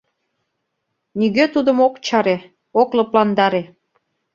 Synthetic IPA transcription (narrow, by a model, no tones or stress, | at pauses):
niɣøt̪ud̪ə̆mokt͡ɕɑɾe | oklɤ̆plɑnd̪ɑɾe